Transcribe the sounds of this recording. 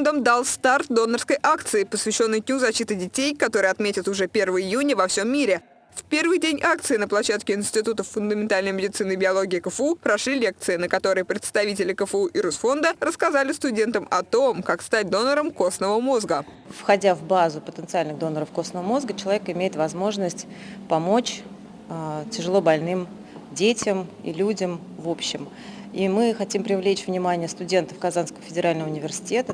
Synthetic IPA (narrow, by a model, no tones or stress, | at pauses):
nd̪əmd̪alˠst̪art̪̚d̪o̞nːərskəjʔak̚t̪sɨɪpəsvʲɪɕːo̞nːɨjd̪ʲnʲuzɐɕːit̪ɨdʲɪtʲejkɐt̪o̞ɾɨjɐt̪mʲetʲɪt̪ʊʐɛpʲe̞rvəjjunʲɪvɐfsʲo̞mʲːiɾʲɪ | fpʲe̞rvɨjdʲenʲʔak̚t̪sɨɪnəplˠɐɕːat̪kʲɪɪnsʲtʲɪt̪ut̪əfʊnd̪əmʲɪnt̪alʲnəjmʲɪdʲɪt̪sɨnɨjbʲɪɐlˠoɡʲɪːkəfupɾɐʂlʲilʲe̞k̚t̪sɨɪnəkɐt̪o̞ɾəjəpɾʲɪt̪st̪ɐvʲitʲɪlʲɪkəfəuʔɪɾusfo̞nd̪ərəskɐzalʲɪst̪ʊdʲe̞nt̪əmɐt̪o̞mkakst̪at̚ʲd̪o̞nəɾəmko̞snəvəmo̞zɡə | fxɐdʲavbazʊpət̪ənt̪sɨalʲnɨɣd̪o̞nːəɾəfko̞snəvəmo̞zɡət͡ɕɪlˠɐvʲekɪmʲejɪt̪vɐzmo̞ʐnəsʲtʲpɐmo̞t͡ɕ | ətʲɪʐɨlˠo̞bɐlʲnɨm | dʲetʲɪmḭlʲudʲəm | vo̞pɕːɪm | imɨxɐtʲimpɾʲɪvlʲet͡ɕvnʲɪmanʲɪjəst̪ʊdʲe̞nt̪əfkɐzanskəvəfʲɪdʲɪɾʔalʲnəvəʊnʲɪvʲɪrsʲɪ̥tʲe̞t̪ə